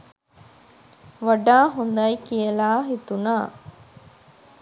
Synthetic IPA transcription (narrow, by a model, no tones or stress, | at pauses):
ʋɐɖaːɦund̪ɐjikijɐlaːɦit̪unaː